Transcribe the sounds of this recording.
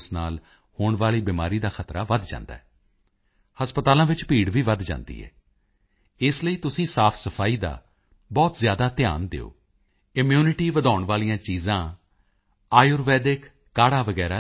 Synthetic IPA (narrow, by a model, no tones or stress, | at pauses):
snaːl | hoːɳʋaːliːbiːmaːɾiːd̪aːxʰət̪ɾaːʋəd̪d͡ʒã̰ːnd̪a̰ːɛː | həspət̪aːlãːʋɪt͡ʃpiːɽʋiːʋəd̪d͡ʒã̰ːnd̪ḭːɦɛ̰ː | ɪsləiːt̪ʊsĩːsaːpʰsəpʰaːiːd̪a̰ː | bɔːt̪zjaːd̪aːt̪ɪja̰ːnd̪ḛːo̰ː | ɪmjuːnɪʈiːʋəd̪aːʊɳʋaːlijãːt͡ʃiːzãː | aːjʊːɾʋɛːd̪ɪkː | aːɽaːʋəɡɛːɾaː